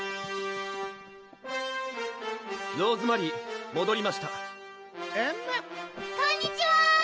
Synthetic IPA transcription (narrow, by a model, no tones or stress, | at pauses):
jo̞ːzɨmaɾʲimo̞d̪o̞ɾʲimaɕi̥t̪a | e | kõɲʲːit͡ɕiβa